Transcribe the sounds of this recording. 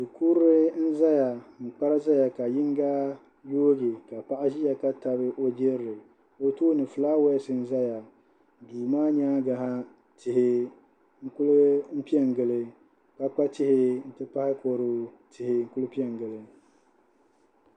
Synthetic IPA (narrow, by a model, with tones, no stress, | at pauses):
dɨ˨ku˦ɾɨ˦n̩˦za˦ja˨m̩˨k͡pa˦ɾɨ˦za˦ja˨ka˨jɪ˦ŋ˦ɡa˦ | joː˦ɡɪ˨ka˨pa˦ʔa˦ʒi˦ja˨ka˦ta˨bɨ˦ʔo˦d͡ʒe˦ɾɾɨ˨ | o˦toː˦nɨ˨fɨ˨laː˦wɛ˦sɨ˨n̩˦za˦ja˨ | duː˨maː˦ɲaː˦ɡa˨ɦa˦ | tɪ˨ɦɪ˦ | ŋ̩˦kʊ˦lʊ˦m̩˦pi˦ɛ˦ŋ˨ɡɨ˨lɨ˨ | ka˦k͡pa˦tɪ˦hɪ˦n̩˦tɨ˦pa˦hɪ˦ko˨ɾɨ˨˦ | tɪ˨hɪ˨ŋ̩˦kʊ˦lɨ˦pi˦ɛ˦˨ŋ˨ɡɨ˨lɨ˨